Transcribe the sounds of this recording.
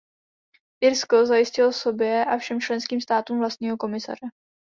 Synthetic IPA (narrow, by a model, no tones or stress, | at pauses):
ʔɪɾskozajɪscɪloso̞bjɛʔafʃɛmt͡ʃlɛnskiːmst̪aːt̪uːmvlast̪̚ɲiːɦo̞ko̞mɪsa̰r̝ɛ